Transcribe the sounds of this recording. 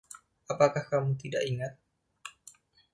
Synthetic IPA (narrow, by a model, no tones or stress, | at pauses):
apakahkamut̪idaʔiŋat̪̚